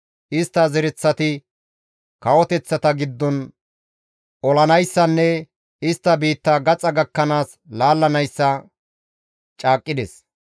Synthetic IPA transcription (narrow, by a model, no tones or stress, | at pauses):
ʔɪst̪ːɐzɛɾɛt͡sːɐt̪ɪ | kɐwɔt̪ɛt͡sːɐt̪ɐɡɪd̪ːɔn | ʔɔlɐnɐjsːɐnːɛ | ɪst̪ːɐbiːt̪ːɐɡɐt͡sʼɐɡɐkːɐnaːs | laːlːɐnɐjsːɐ | t͡ʃʼaːkʼːɪd̪ɛs